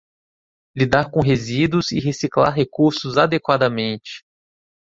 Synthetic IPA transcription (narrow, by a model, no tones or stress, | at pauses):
lid̪aɾkõɦezid̪ʊzɪɦesiklaɾɦekuɾsʊzad̪ekwad̪ɐmẽnt͡ʃɪ̥